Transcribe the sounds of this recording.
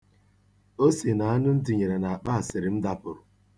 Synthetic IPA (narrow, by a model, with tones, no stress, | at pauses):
o˦se˨na˨a˦nʊ˦n̩˦dɪ˨ɲe˨ɾa˨na˨a˨k͡pa˦a˨sɪ˨ɾɪ˨m̩˦da˦pʊ˨ɾʊ˨